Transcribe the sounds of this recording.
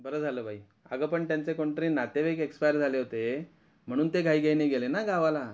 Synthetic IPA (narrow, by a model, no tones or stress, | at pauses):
bəɾəːd͡zʱaləːbʱai | a̰ɡəːpəɳt̪jant͡sekɔɳʈɾiːnat̪eʋekekspajəɾd͡zʱaleɦot̪e | m̤əɽ̃uːnt̪eɡʱaiːɡʱajneɡelenaɡaʋala